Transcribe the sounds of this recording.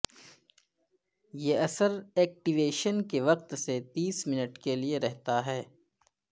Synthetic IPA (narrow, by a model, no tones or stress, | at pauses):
jeːɐsəɾɛːk̚ʈiʋeːʃənkeʋɐq̚t̪set̪iːsmɪnəʈkelieɾɛɦt̪aɦɛː